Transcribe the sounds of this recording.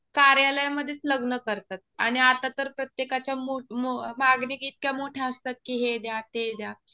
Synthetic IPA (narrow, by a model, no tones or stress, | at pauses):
kaɾjaləjaməd̪ʱːjet͡sləɡnəkəɾt̪at̪̚aɽ̃iat̪at̪əɾpɾət̪jekat͡ɕjamoomaɡniɡiːt̪̚kjamoʈʰjaəst̪at̪̚kiːɦed̪jat̪ed̪ja